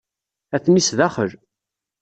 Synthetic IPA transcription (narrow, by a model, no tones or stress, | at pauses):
æθnisðæχəɾ